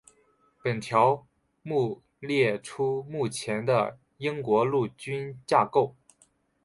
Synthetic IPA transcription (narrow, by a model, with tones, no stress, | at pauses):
pə˨˩nt̪ʰjɑ˧˥ʊ | mu˥˧ | ljɛ˥˩ʈ͡ʂʰu˥mu˥˩t͡ɕʰjɛ˧˥nd̪ə̰˧ | i˥ŋkwɔ˧˥lu˥˩t͡ɕy˥nt͡ɕja˥˧ko˥˩ʊ